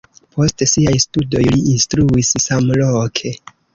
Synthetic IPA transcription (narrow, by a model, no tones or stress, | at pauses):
pʰo̞stsiajstudo̞jliinstɾuissamlokʰe̞